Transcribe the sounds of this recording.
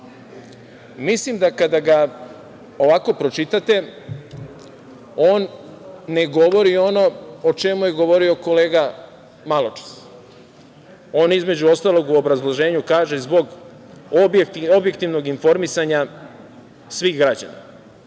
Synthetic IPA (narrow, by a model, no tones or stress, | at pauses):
mislimd̪akad̪aɡa | o̞ʋaːko̞pɾo̞t͡ʃit̪at̪e̞ | oːnː | e̞ɡo̞ʋo̞ɾio̞no̞ot͡ʃemujeɡo̞ʋo̞ɾio̞ko̞leːɡa | malot͡ʃḁs | o̞ːnizme̞d͡ʑuo̞st̪alo̞ɡuobɾazlˠoʒe̞ːɲukaːʒezbo̞ɡ | bobje̞kt̪iʋno̞ɡinfo̞ɾmisaɲa | sʋiːxɡɾad͡ʑa̰na̰